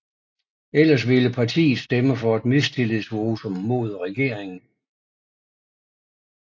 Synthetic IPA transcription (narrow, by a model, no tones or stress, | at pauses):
el̰ɐs̬ʋe̝ləpʰɑ̈t͡sʰḭːð̩ˠsd̥eməfɒ̽æd̥mest͡sʰe̝lisʋoːsɒ̽mːo̝ð̞̰ˠʁɛɡ̥e̝̰ɐ̰eŋn̩